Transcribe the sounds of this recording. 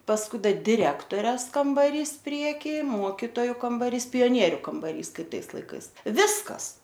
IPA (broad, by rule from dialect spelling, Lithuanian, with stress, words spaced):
pɐsˈkʊɪ dɐ dʲɪˈrʲæːktoːrʲɛs kɐmbɐˈrʲiːs ˈpʲrʲiɛkʲiː ˈmuɔkʲɪtoːjʊ kɐmbɐˈrʲiːs pʲɪjoːˈnʲiɛrʲʊ kɐmbɐˈrʲiːs ˈkɐɪp ˈtɐɪs lˠɐɪˈkɐɪs ˈʋʲɪskɐs